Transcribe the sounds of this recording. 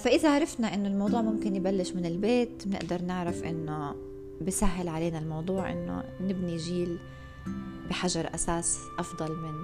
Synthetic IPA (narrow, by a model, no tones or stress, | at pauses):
faʔɪðaʕaɾˤɑfnaʔɪnːʊlmɑwd̪ˤuːʕmʊmkɪnjbalːɪʃmɪnɪlbeːt̪mnɪ̰ʔd̪ɑɾˤnɪʕɾafʔɪnːo | bɪsaɦːɪlʕaleːnalmɑwd̪ˤuːʕʔɪ̰nːo̰nɪbniʒiːl | bɪħaʒɑɾˤʔa̰saːsʔɑfd̪ˤɑlmɪnː